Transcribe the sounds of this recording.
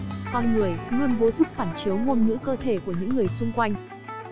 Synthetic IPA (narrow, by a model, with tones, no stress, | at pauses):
kɔ˧nŋɨ˨˩əjnu˧ənvo˨˦t̪ʰɨ˦˥k̚faː˧˩nt͡ɕi˨˦wmu˧ənŋɨ̰˧˥kəː˧t̪ʰe˧˩ku˧˩əɲɨ̰˧˥ŋːɨ˨˩əjsʊ˧ŋ͡mkwa˧jŋ̟